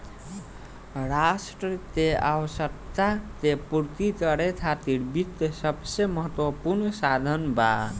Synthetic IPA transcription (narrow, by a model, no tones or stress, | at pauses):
ɾasʈɾət̪eawəsək̚t̪at̪epuɾt̪ikəɾet͡ʃʰat̪iɾbit̪səbseməɦət̪wəpuɾnsad̪ʱənba